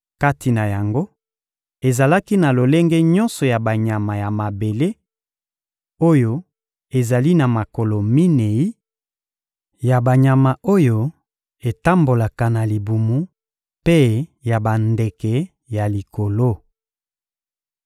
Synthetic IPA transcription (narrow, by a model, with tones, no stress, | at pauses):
ka˦ti˨na˨ja˨ŋɡo˦ | e˨za˨la˦ki˦na˨lo˨le˦ŋɡɛ˦ɲɔ̃˦nsɔ˨ja˨ba˨ɲa˨ma˨ja˨ma˨be˨le˦ | o˦jo˦ | e˨za˨li˦na˨ma˨ko˨lo˨mi˦ne˨i˦ | ja˨ba˨ɲa˨ma˨o˦jo˦ | e˨ta˦mbo˨la˨ka˨na˨li˨bu˨mu˦ | pe˦ja˨ba˨nde˨kɛ˨ | ja˨li˨ko˨lo˦